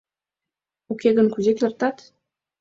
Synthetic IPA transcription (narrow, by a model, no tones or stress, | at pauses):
okeɣə̆nkuzekʲĕrt̪ɑt̪